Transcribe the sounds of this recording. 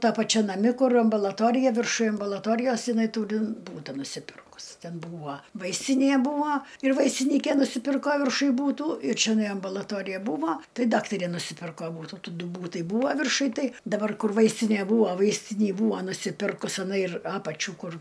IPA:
ˈtɐ pɐˈt͡ʃʲɛ nɐˈmʲɪ ˈkʊr ɐmbɐlˠɐˈtoːrʲɪjɛ ʋʲɪrˈʃʊj ɐmbʊlˠɐˈtoːrʲɪjoːs jɪˈnɐɪ ˈtuːrʲɪ ˈbuːtɐ nʊsʲɪˈpʲɪrkʊs ˈtʲɛn ˈbuːʋɐ ˈʋɐɪsʲtʲɪnʲeː ˈbuːʋɐ ɪr ʋɐɪsʲtʲɪˈnʲiːkʲɛ nʊsʲɪˈpʲɪrkoː ʋʲɪrˈʃʊj buːˈtuː ɪr t͡ʃʲɛˈnɐɪ ɐmbʊlˠɐˈtoːrʲɪjɛ ˈbuːʋoː ˈtɐɪ ˈdɑːktɐrʲeː nʊsʲɪˈpʲɪrkoː ˈbuːtʊ ˈtuː ˈdʊ ˈbuːtɐɪ ˈbuːʋɐ ʋʲɪrˈʃʊj ˈtɐɪ dɐˈbɐr ˈkʊr ˈʋɐɪsʲtʲɪnʲeː ˈbuːʋoː ˈʋɐɪsʲtʲɪnʲiː ˈbuːʋɐ nʊsʲɪˈpʲɪrkʊs ɪˈnɐɪ ɪr ˈɑːpɐt͡ʃʲuː ˈkʊr

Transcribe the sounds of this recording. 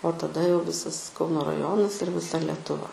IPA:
oː tɐˈdɐ jɛʊ ˈʋʲɪsɐs ˈkɐʊnoː rɐˈjoːnɐs ɪr ʋʲɪˈsɐ lʲɛtʊˈʋɐ

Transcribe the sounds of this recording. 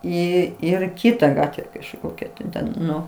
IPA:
ˈiː ˈɪr ˈkʲiːtɐ ˈɡɑːtʲʋʲɛ kɐʃˈkoːkʲɛ tɐɪ ˈtʲɛn ˈnʊ

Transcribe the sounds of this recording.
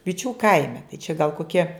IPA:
ʋʲɪˈt͡ʃʲuː ˈkɐɪmʲɛ tɐɪ t͡ʃʲɛ ɡɐlˠ koːˈkʲiɛ

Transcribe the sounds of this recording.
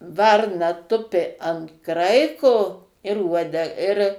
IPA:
ˈʋɐrnɐ ˈtʊpʲɪ ɐnt ˈkrɐɪkoː ɪr ˈuɔdʲɛ ɪr

